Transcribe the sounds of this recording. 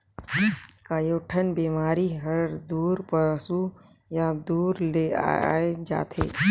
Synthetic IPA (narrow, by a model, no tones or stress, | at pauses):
kaːjoːʈʰənbiːmaːɾiɦəɾd̪uːɾpəsu | jad̪uːɾlea̰ed͡ʒa̰ːt̪ʰḛː